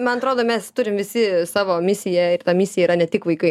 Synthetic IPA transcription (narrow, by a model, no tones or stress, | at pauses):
mɐnɐt̪ɾoːdoːmʲɛst̪ʊɾʲɪmʋʲɪsʲɪsɑːʋoːmʲɪsʲɪjɛɪrt̪ɐmʲɪsʲɪjɛiɾɐnʲɛt̪ʲɪkʋɐɪkɐɪ